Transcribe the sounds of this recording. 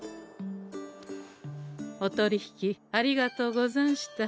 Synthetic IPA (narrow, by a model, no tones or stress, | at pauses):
ot̪o̞ɾʲiçi̥kʲiaɾʲiɡat̪o̞ːɡo̞zõɰ̃ɕi̥t̪a